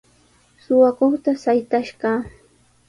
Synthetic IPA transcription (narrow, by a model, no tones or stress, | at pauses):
sʊwakoχt̪asajt̪aʃɢɑː